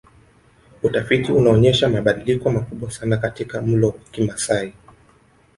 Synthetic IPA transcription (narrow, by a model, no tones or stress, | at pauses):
utafitiunaɔɲɛʃamaɓaɗilikɔmakuɓwasanakatikam̩lɔwakimasai